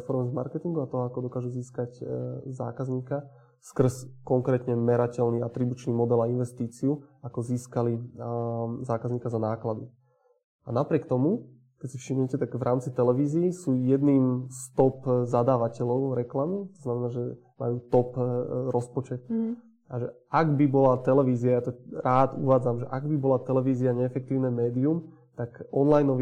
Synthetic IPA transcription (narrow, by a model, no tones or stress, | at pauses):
fɔɾmzma̰ɾkɛt̪iŋɡuat̪ɔɦɔakɔd̪ɔkaːʒuziːskacza̰ːkazɲiːka | skr̩skɔŋkɾɛːt̪ɲɛmɛɾacɛlniːat̪ɾibut͡ʃniːmɔd̪ɛlainʋɛst̪iːt͡siuakɔziːskali | zaːkazɲiːkazanaːklad̪i | anapɾɪɛkt̪ɔmu | kɛcsifʃimɲɛcɛt̪aɡvɾʔaːmt͡sit̪ɛlɛʋiːziːsuːjɛd̪niːmst̪ɔpzad̪aːʋacɛlɔʊɾɛklamit̪ɔznamɛnaːʒɛ | ma̰juːt̪ɔpɾɔspɔt͡ʃɛt̪̚ | aʒɛ | aɡbibɔlat̪ɛlɛʋiːziajat̪ɔɾaːd̪ṵʋaːd͡zamʒɛʔaɡbibɔlat̪ɛlɛʋiːziaɲɛːfɛk̚t̪iːʊnɛmɛːd̪ium | t̪akɔnlajnɔʋi